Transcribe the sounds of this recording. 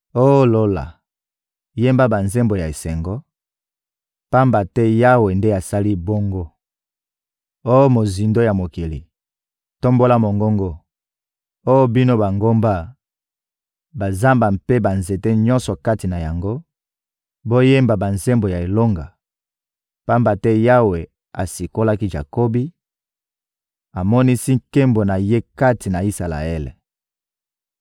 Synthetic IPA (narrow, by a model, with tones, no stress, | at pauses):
o˦lo˦la̰˨ | je˦mba˦ba˨nze˦mbo˨ja˨e˨sɛ˨ŋɡɔ˦ | pa˦mba˨tɛ˦ja˦we˨nde˦a˨sa˦li˦bo˦ŋɡo˦ | o˦mo˨zi˨ndo˦ja˨mo˨ki˨lḭ˨ | to˦mbo˦la˦mo˨ŋɡo˦ŋɡo˦ | o˦bi˦no˦ba˨ŋɡo˦mba˦ | ba˨za˦mba˨mpe˦ba˨nze˨te˦ɲɔ˦nsɔ˨ka˦ti˨na˨ja˨ŋɡo˦ | bo˦je˦mba˨ba˨nze˦mbo˨ja˨e˨lo˦ŋɡa̰˨ | pa˦mba˨tɛ˦ja˦we˨ | a̰˨si˨ko˦la˦ki˦ʒa̰˨ko˦bi˦ | a˨mɔ˦ni˦si˦ŋ̩ke˦mbo˨na˨je˦ka˦ti˨na˨i˦sa˨la̰˨ɛ˦lḛ˨